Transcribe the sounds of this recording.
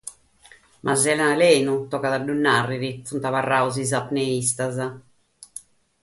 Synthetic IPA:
mʔazɛlalɛːnut̪ɔkaðaɖːunːarːiɾifunt̪avarːauzizapneist̪aza

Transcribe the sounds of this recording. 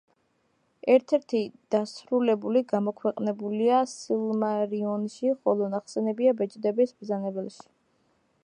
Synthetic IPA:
ɛɾt̪ʰɛɾt̪ʰid̪̥asɾulɛbuliɡamɔkʰwɛqʼnɛbuliasilˠmaɾiɔnʃiχɔlˠɔnaχsɛnɛbiabɛt͡ʃʼd̪ɛbisb̪zanɛbɛlˠʃi̥

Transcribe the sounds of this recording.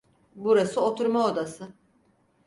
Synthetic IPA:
buɾasɯot̪ʰuɾmaod̪asɯ

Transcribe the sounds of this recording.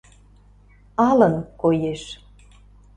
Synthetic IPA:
ɑlə̆nkojeʃ

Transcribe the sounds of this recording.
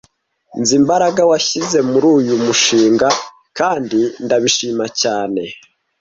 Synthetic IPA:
nzimbaɾaɡawaçize̞muɾuːjumuʃiːŋɡa | kaːndindaβiʃiːmacaːne̞

